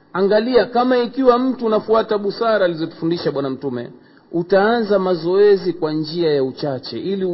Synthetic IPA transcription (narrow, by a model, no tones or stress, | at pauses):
aŋɡaliakamaikiwam̩tuːnafuataɓusaɾaːlizɔtu̥fundiʃaɓwanam̩tumɛ̰ | utaanzamazɔɛzikwand͡ʒiajaut͡ʃat͡ʃɛ̰ʔili